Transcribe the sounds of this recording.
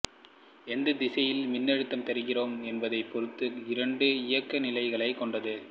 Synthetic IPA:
ɛnd̪ɐd̪ɪsɐjɪlmɪnːɛɻɯt̪ːɐmt̪ɐɾɯɣɪroːmɛnbɐðɐɪpːɔɾɯt̪ːɯɪɾɐɳɖɯɪjɐkːɐnɪlɐɪɣɐɭɐɪkːɔɳɖɐðɯ

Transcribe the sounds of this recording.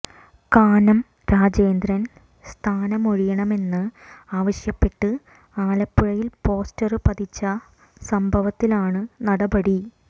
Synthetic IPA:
kaːnɐm | ɾaːd͡ʑe̞ːnd̪ɾɐn | st̪ʰaːnɐmo̞ɻijɐɳɐme̞nːɨaːʋɐɕjɐpːe̞ʈːɨ | aːlɐpːuɻɐjilpo̞ːstɐrɨpɐd̪it͡ɕːɐ | sɐmbʱɐʋɐt̪ːilaːɳɨnɐɽɐbɐɽi

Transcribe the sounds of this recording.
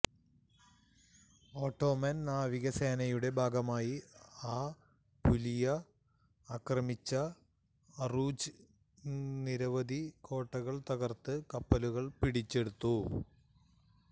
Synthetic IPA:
o̞ːʈːo̞ːmɐnnaːʋiɣɐseːnɐjuɽe̞bʱaːɡɐmaːjiaː | pulijɐː | krɐmit͡ɕːɐ | ruːd͡ʑɨ | niɾɐʋɐd̪ʱikʰo̞ːʈːɐɣɐɭt̪ɐɣɐrt̪ɨkɐpːɐluɣɐɭpiɽit͡ɕːe̞ɽut̪ːu

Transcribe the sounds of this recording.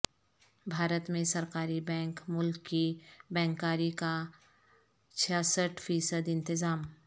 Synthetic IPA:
bʱaːɾət̪mẽsɐɾkaːɾibɛ̃ːŋkmʊlkːibɛ̃ːŋkaːɾika | t͡ʃʰəsəʈʰfʰiːsəd̪ɪ̃nt̪ɪzaːm

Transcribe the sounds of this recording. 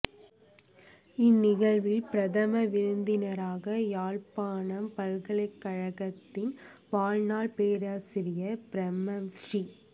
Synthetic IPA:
ɪnːɪɣɐɭʋɪlpɪɾɐðɐmɐʋɪɾɯnd̪ɪnɐɾaːɣɐjaːɻpaːnɐmpɐɾɣɐɭɐɪkːɐɻɐɣɐt̪ːɪnʋaːlnaːɭpeːɾaːsɪɾɪjɐpɪɾɛmɐmsri

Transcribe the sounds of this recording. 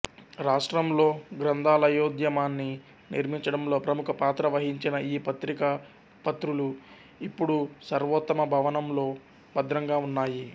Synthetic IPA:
ɾaːʂʈɾɐmlo̞ːɡɾɐnd̪ʱaːlɐjoːd̪jɐmaːnːi | niɾmiɲt͡ʃɐɽɐmlo̞ːpɾɐmukʰɐpaːt̪ɾɐʋɐɦiɲt͡ʃinɐiːpɐt̪ɾikɐ | pɐt̪ɾulu | ipːuɽusɐɾʋɐt̪ːɐmɐbʱɐʋɐnɐmlo̞ː | bɐd̪ɾɐŋɡaːunːaːji

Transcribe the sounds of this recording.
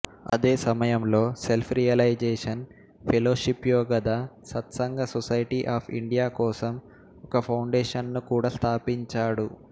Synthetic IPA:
ɐ̰d̪e̞ːsɐmɐjɐmlo̞ːselpʰɾijɐlɐjd͡ʒeːʂɐn | pʰɛloːʃipjoːɡɐd̪aːsɐt̪sɐŋɡɐsɔsɐjʈiʔaːpʰḭɳɖijaːkɔːsɐm | ɔkɐpʰɐwɳɖeːʂɐnnukuːɽaːst̪ʰaːpiɲt͡ʃaːɽu

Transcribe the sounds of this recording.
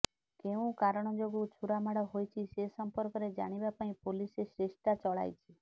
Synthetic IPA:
keũkaɾɳ̃ɔd͡ʒoɡũt͡ʃʰuɾamaɽɔɦojt͡ʃʰisesəmpɔɾkɔɾed͡ʒa̰ɽ̃ibapaĩpolisesɾeʃt̪at͡ʃɔɭa̰jt͡ʃʰi

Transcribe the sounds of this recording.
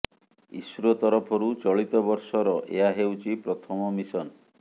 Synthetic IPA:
ḭsuɾɔt̪ɔɾɔpʰɔɾut͡ʃɔɭit̪ɔbɔɾsɔɾɔʔḛaɦewt͡ʃʰipɾɔt̪ʰɔmɔmisɔn

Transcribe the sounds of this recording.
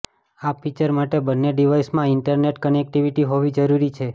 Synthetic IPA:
apːit͡ʃəɾmaʈebənːeɖiʋaismãɪɳʈəɾneʈkənek̚ʈiʋiʈiɦoʋid͡ʒəɾuɾit͡ʃʰe

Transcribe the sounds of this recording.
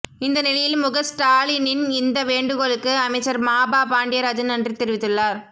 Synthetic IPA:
ɪnd̪ɐnɪlɐjɪlmʊɣɐsʈaːlinɪnɪnd̪ɐʋeːɳɖɯɣoːɭɯkːɯɐmɐɪt͡ʃːɐɾmaːbaːpaːɳɖɪjɐɾɐd͡ʒɯnɐndrit̪ɛɾɯʋɪt̪ːɯɭːaːɾ

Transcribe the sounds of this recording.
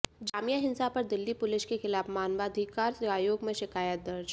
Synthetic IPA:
d͡ʒaːmijaɦɪnsapɐɾd̪ɪlːipʊlɪʃkexɪlaːfmaːnʋaːd̪ʱɪkːaːɾseaːjoːɡmẽʃɪkaːjət̪̚d̪ɐɾd͡ʒ

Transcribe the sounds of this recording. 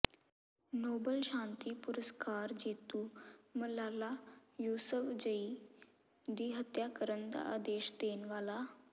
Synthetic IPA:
noːbəlʃãːnt̪ipʊɾəskaːɾd͡ʑeːt̪uməlaːlajuːsəfd͡ʒəi | d̪iːɦət̪jakəɾənd̪a̰ad̪eːʃd̪eːnʋaːla

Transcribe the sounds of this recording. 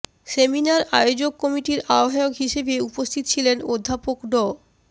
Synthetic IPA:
seminaɾajod͡ʑokːɔmiʈiɾaoɦajokɦiʃebeupost̪ʰit̪ot͡ɕʰilenod̪ʱːapokɖɔ

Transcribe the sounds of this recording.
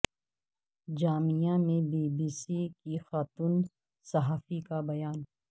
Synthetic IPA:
d͡ʒaːmijamẽbiːbiːsikixaːt̪uːn | sɐɦaːfikabɐjaːn

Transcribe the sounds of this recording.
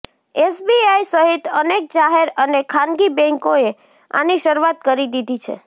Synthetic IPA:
esbiaisəɦit̪ənek̚d͡ʒaɦeɾənekʰãnɡibɛ̃ŋkoe | a̰niʃəɾuat̪kəɾid̪id̪ʱit͡ʃʰḛ

